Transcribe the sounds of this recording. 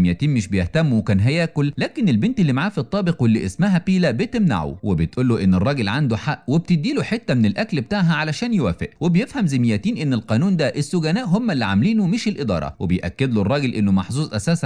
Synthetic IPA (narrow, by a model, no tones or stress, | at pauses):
mjæt̪iːnmɪʃbejeht̪æmːuwekæːnɦæjæːkolːæːkenelbent̪elːimaʕaːfit̪ˤːɑːbeqwelːḭʔesmæɦæpiːlæbet̪emna̰ʕṵwebet̪ʔulːuʔenːerˤːɑːɡelʕand̪uħaʔweb̚t̪ɪd̪ːiːluħet̪ːæmenelʔæklbet̪aʕɦæʕalæʃæːnjewæ̰ːfɪʔwebejefhæmzemɪjːæt̪iːnʔenːelqɑːnuːnd̪æʔesːoɡænæːʔɦomːælːiʕamliːnomɪʃelʔed̪ˤɑ̰ːɾˤɑ̰webejʔæ̰kːed̪lorˤːɑːɡelʔenːomɑħzˤuːzˤʔæsæːs